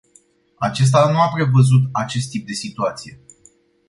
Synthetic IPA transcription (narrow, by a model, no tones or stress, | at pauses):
at͡ʃe̞s̬t̪anuapɾe̞vəzut̪at͡ʃe̞s̬t̪ːip̚d̪e̞sit̪uat̪sije̞